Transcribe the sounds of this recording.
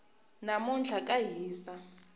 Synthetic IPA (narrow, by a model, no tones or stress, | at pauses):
namund͡ɮʱakʼajiːsa